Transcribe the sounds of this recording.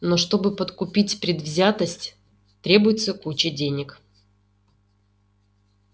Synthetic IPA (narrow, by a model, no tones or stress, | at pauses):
no̞ʂt̪o̞bɨpət̪kʊpʲitʲpɾʲɪd̪vzʲat̪əsʲtʲ | t̪ɾʲe̞bʊjɪt̪səkut͡ɕɪdʲenʲɪk